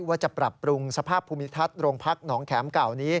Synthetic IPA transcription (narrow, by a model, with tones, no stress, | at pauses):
waː˥˩t͡ɕa˨˩pɾa˨˩pːɾu˧ŋsa˧pʰaː˥˩pʰːuː˧mi˦˥t̪ʰa˦˥˩t̪̚ɾoː˧ŋpʰa˦˥k̚nɔː˩˦ŋkʰɛː˩˦mka˨˩wniː˦˥